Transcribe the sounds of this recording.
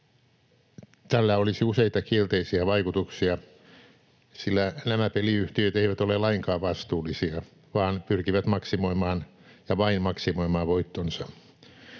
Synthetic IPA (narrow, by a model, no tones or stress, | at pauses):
t̪ælːæolisiuseit̪ɑkielt̪eisiɑʋɑikut̪uksiɑ | silːænæmæpeliyht̪iøt̪eiʋæt̪olelɑiŋkɑːʋʋɑst̪uːlːˑisiɑ | ʋɑːnpyrkiʋæt̪mɑksimoimɑːnjɑʋɑinmɑksimoimɑːʋoit̪ːonsɑ